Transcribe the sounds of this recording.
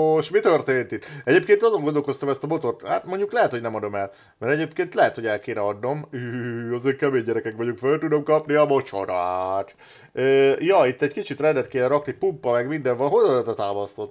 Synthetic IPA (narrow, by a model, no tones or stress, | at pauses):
oʃmit̪ørt̪eːnt̪it̪ːɛɟeːp̚keːnt̪ɒzo̞ŋɡo̞nd̪olkost̪ɒmɛst̪ɒmo̞t̪o̞rt̪ha̰ːt̪mo̞ɲɟuklɛɦɛt̪honɛmɒd̪o̞mɛl | mɛɾɛɟeːpkeːnt̪lɛɦɛt̪hoɛlkeːnɛɒd̪no̞myɒzeːŋkɛmeːɲɟɛɾɛkɛkʋɒɟuŋkfølt̪ud̪o̞mkɒpniɒmot͡ʃo̰d̪aːt̪ | øːjɒit̪ːɛckit͡ʃit̪rɛnd̪ɛt̪keːnɛɾɒknipumpːɒmɛɡmind̪ɛɱvɒlɦozɒd̪ɒt̪aːmɒst̪o̞t̪ː